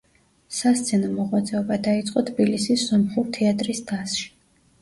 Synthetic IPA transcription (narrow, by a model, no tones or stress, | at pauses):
sast̪sʰɛnɔmɔʁwat̪sʼɛɔbad̪ait̪sʼqʼɔt̪ʰbilisisːɔmχuɾt̪ʰɛat̪ʼɾisd̪asʃi̥